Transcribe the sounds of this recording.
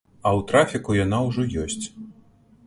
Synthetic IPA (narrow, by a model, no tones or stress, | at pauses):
ɐwt̪ɾafʲikujanawʐɔjɔsʲt͡sʲ